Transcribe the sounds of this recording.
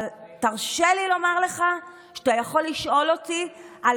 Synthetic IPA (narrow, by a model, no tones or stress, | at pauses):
ltaʁʃelilo̞maʁle̞χa | ʃat̪ajaχo̞lːiʃʔo̞lo̞t̪ia